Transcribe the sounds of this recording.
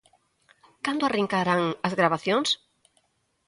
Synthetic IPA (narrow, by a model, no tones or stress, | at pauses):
kand̪ʊariŋkaɾaŋɐzɣɾaβaθjoŋs